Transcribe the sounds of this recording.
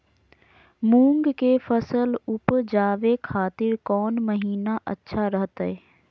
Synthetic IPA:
mũːŋɡkefəsəlʊpd͡ʒaːʋekʰaːt̪ɪɾkɔːnməɦiːnaʔə̰tːʃʰaɾəɦt̪eː

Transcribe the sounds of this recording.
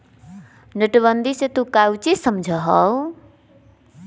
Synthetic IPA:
nəʈβʌnd̪iset̪ukawt͡sisʌmd͡zʱʌɦʌw

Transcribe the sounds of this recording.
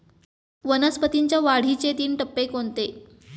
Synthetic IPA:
ʋənəspət̪iɲt͡ɕjaʋaɽ̤it͡ɕet̪iːnʈəpːekoɳt̪e

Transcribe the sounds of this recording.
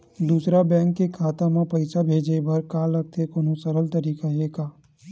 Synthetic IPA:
d̪uːsɾabɛ̃ːŋkːekʰaːt̪amãpɐɪsabʱeːd͡ʒebɐɾkaːlɐɡ̚t̪ʰekoːnosɐɾəlt̪əɾiːkaɦeːkaː

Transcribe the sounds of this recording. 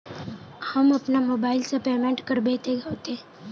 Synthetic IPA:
hɐmɐpnamoːbaːɪlsepeːmẽːɳʈkəɾbeːt̪eɡaot̪eː

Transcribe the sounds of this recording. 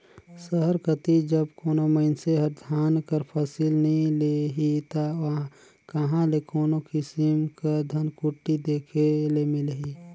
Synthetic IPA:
səɦəɾkət̪id͡ʒəbkoːnoməɪnseɦəɾd̪ʱaːnkəɾpʰəsilnəɦĩleɦit̪ã | kəɦãlekoːnokɪsɪmkəd̪ʱənkuʈːid̪eːkʰelemɪlɦi

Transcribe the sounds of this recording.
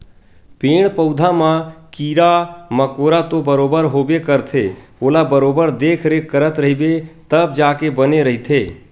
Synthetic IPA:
peːɽ̃pəʊd̪ʱamãkiːɾaməkoːɾat̪obəɾoːbəɾɦoːbekəɾt̪ʰe | oːlabəɾoːbəɾd̪eːkʰɾekəɾət̪ɾəɦibet̪əb̚d͡ʒaːkebəneɾəɦit̪ʰeː

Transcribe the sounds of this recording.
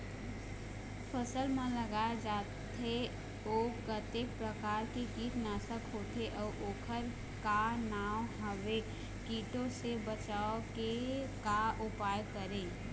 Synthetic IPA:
pʰəsəlmẽləɡaːed͡ʒaːt̪e | oːkət̪eːk̚pɾəkaːɾkekiːt̪naːsəkɦoːt̪eʔɔːoːkʰəɾ | kanaːwɦəʋe | kiːʈõsebət͡ʃaokekaʔʊpaːjkəɾẽː

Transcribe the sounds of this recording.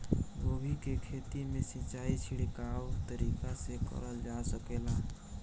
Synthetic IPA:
ɡobʱikekʰet̪imesit͡ʃait͡ʃʰiɽikawt̪əɾikasekə̰ɾəld͡ʒasəkela

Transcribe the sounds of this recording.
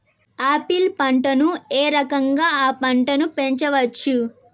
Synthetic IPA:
aːpilpɐɳʈɐnueːɾɐkɐŋɡaːaːpɐɳʈɐnupe̞ɲt͡ʃɐʋɐt͡ʃːu

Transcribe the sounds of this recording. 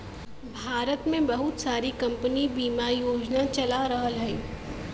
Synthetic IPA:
bʱaːɾət̪mẽbɐɦʊt̪saːɾikɐ̃mpənibiːmajoːd͡ʒnat͡ʃɐlaɾɐɦəlɦɛiː

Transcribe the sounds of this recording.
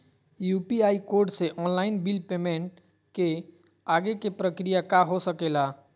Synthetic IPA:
juːpiaːikoːɾɖseʔɔːnlaːɪnbilpeːmẽɳʈ | ke | aɡekepɾəkɾijakaɦosəkela

